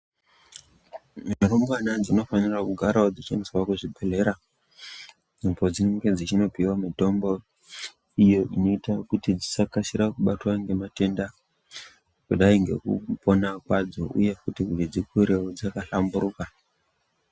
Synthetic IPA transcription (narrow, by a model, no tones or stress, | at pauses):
miatombanad͡zino̞fanirakuɡʱaɾaod͡zit͡ʃeniswakuʐibʱe̞le̞ɾa | d͡zimbo̞d͡zineŋɡe̞d͡zit͡ʃino̞piwamito̞mbo̞ | ijo̞ʔino̞itakutid͡zisakasiɾakuɓatwaŋɡe̞mate̞nda | kuɗaiŋɡe̞̰kṵpo̞nakwad͡zoʔṵje̞kutikurid͡zikuɾeod͡zakaɬambuɾuka